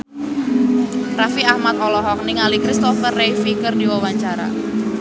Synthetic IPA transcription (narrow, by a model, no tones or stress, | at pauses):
rafiahmat̪̚ɔlɔɦɔk̚niŋalikɾist̪ɔfərːefikərdiwawaɲt͡ʃaɾa̰